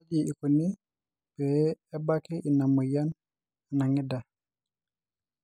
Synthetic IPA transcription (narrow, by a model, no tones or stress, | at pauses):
d͡ʒiikuni | b̥ɛːbakɛʔinamɔjan | anaŋɛda